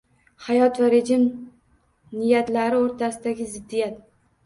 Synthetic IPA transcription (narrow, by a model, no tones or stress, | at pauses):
hajɒt̪vaɾed͡ʒɪm | nɪjat̪laɾɪoɾt̪ʰasɪd̪aɡʲɪzɪd̪ːijat̪